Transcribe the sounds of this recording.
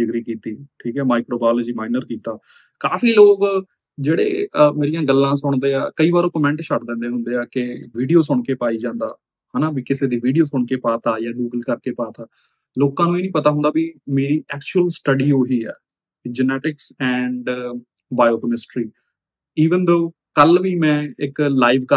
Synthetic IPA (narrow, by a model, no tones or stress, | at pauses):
ɪkɾiːkiːt̪iːʈʰiːkɦɛːmaːɪkɾoːbaːlɔːd͡ʒiːmaːɪnəɾkiːt̪aː | kaːfiːloːk | d͡ʒeːɽḛːmeːɾijãːɡəlːãːsʊɳ̃d̪eːa̰ːkəiːbaːɾõːkəmɛ̃ɳʈt͡ʃʰəʈd̪ɛ̃ːnd̪eːɦʊ̃nd̪eːaːkɪʋiːɖijoːsʊɳkeːpaːiːd͡ʒãːnd̪a̰ː | haːnaːbiːkɪseːd̪iːʋiːɖioːsʊɳkeːpaːt̪aːjaːɡuːɡəlkəɾkeːpaːt̪aː | loːkãːnũːeːnĩːpət̪aːɦʊ̃nd̪aːbimeːɾiːʔɛːkt͡ʃuəlsʈəɖiːoːɦiːɛ̰ː | d͡ʒənɛːʈɪksɛ̃ːɳɖ | baːjoːkəmɪsʈɾiː | iːʋənd̪oː | kəlʋiːmɛ̃ːɪklaːiːʋkə